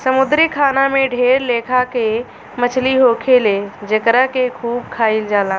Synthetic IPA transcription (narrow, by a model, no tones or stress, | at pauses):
sɐmʊd̪ɾikʰaːnamẽɖʱeːɾleːkʰake | mɐt͡ʃʰliɦoːkʰeled͡ʒɐkəɾəkekʰuːb̚kʰaːild͡ʒaːlãː